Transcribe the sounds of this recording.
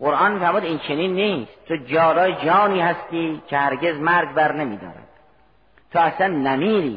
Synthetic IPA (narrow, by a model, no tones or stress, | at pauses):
ɢoɾʔɒːnmiːfæɾmuːd̪int͡ʃʰeniːnːiːst̪t̪ʰod͡ʒɒːɾɒːjed͡ʒɒːniːhæst̪iːcʰehæɾɡe̞zmæɾɡbæɾnemḭːd̪ɒ̰ːɾæ̰d̪̥̚ | t̪ʰoæslænːæmiːɾḭː